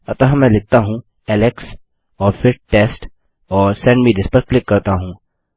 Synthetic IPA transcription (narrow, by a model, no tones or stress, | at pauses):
ɐt̪əɦɐ̃mɛ̃lɪk̚t̪aɦũ | ɛːlɛks | ɔːɾfʰɪɾʈeːsʈ | ɔːɾsɛ̃ɳɖmiːdɪspɐɾklɪkːɐɾt̪aɦũː